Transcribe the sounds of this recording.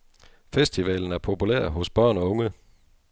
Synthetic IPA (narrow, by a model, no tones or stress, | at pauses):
fesd̥iʋɛ̰ːln̩æɐpʰo̝pʰulæ̰ɐ̰ɦɔ̽sb̥ɶɐ̰nɒɔ̽ŋə